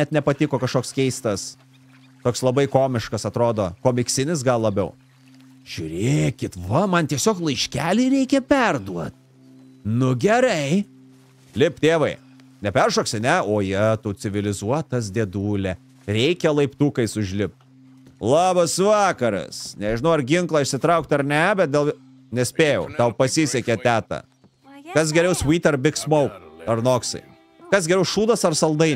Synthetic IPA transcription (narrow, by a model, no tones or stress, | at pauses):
nʲɛt̪nʲɛpɐt̪ʲɪkoːkɐʃkoːkskʲɛɪst̪ɐs | t̪oːkslˠɐbɐɪkoːmʲɪʃkɐsɐt̪ɾoːd̪oːkoːmʲɪksʲɪnʲɪsɡɐlˠlˠɐbʲɛʊ | ʒ̥ʲʊːɾʲeːkʲɪt̪ʋɐmɐnt̪ʲiɛsʲoːklˠɐɪʃʲkʲæːlʲiːɾʲɛɪkʲɛpʲɛrd̪uɔt̪̚ | nʊɡʲɛɾɐɪ | lʲɪpt̪ʲeːʋɐɪ | nʲɛpʲɛɾʃoːksʲɐnʲɛoːjit̪ut͡s̪ʲɪʋʲɪlʲɪzuɔt̪ɐs̬d̪ʲeːd̪uːlʲɛ | ɾʲɛɪkʲɛlˠɐɪpt̪uːkɐɪsʊʒʲlʲɪp̚t̪ | lˠɑːbɐsʋɑːkɐɾɐ̰snʲɛʒʲɪnɐʊɐɾɡʲɪŋklˠɐɪʃsʲɪt̪ɾɐʊk̚t̪ɐɾnʲɛbʲɛt̪̚d̪ʲeːlˠ | nʲɛsʲpʲeːjɛʊt̪ɐʊpɐsʲisʲɛkʲɛt̪ʲæːt̪ɐ̰ | kɐs̬ɡʲɛɾʲɛʊswʲiːt̪ʲɐɾbʲɪksmɐʊkɐɾnoːksɐ̰ɪ | kɐsɡʲɛɾʲɛʊʃuːd̪ɐsɐɾsɐlˠd̪ɐɪ